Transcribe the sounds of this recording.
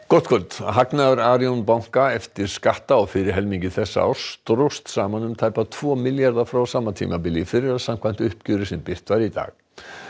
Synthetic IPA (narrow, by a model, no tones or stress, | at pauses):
kɔht̪kʰœlt̪ɦaknaðʏɾaːɾjonpawŋ̥kaɛft̪ɪɾ̥skaht̪aɔwfɪːɾɪɾ̥ɦɛlmiɲcɪθɛsːa̰a̰̥st̪ɾust̪saːmanʏmt̪ʰaːjpat̪ʰv̥ɔːmɪljaɾðafɾaːwsaːmːat̪ʰḭːmapɪlifɪɾɪɾaðsam̥kʰvajn̥t̪ʏhpcʏːɾɪsɛmpɪr̥t̪vaɾit̪a̰ːɣ